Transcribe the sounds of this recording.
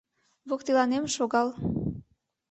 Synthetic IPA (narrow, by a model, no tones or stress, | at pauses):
βokt̪ilɑnemʃoɣɑl